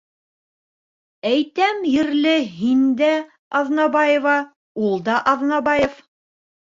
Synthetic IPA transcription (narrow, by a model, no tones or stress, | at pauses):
æjt̪æmjɘ̆ɾlɘɦind̪æ | ɑðnɑbɑjevɑ | ulˠd̪ɑʔɑðnɑbɑjef